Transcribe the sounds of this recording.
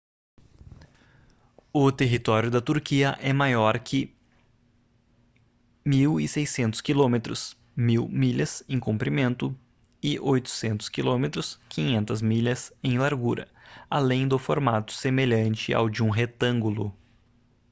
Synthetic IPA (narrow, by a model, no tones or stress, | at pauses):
ʊt̪eɦit̪ɔɾjʊd̪ɐt̪uɾkiɐʔɛmajɔɾkʰɪ | miwɪsejsẽnt̪ʊ̥skilomet̪ɾʊs | miwmiʎɐsẽj̃kõmpɾimẽnt̪ʊ | ɪʔojt̪ʊ̥sẽnt̪ʊ̥skilõmet̪ɾʊskʰĩɲẽnt̪ɐzmiʎɐsẽj̃laɾɡuɾɐ̰ | alẽj̃d̪ʊfoɾmat̪ʊ̥semeʎɐ̃nt͡ʃɪa̰wd͡ʒɪũɦet̪ɐ̃ŋɡulʊ̰